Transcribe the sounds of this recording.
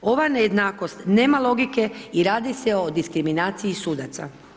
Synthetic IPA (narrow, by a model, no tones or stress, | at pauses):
o̞ʋanejed̪naːko̞st̪ne̞ːmalo̞ɡike̞iɾaːd̪iseo̞d̪iskɾiminaːt̪sijisuːd̪at̪sa̰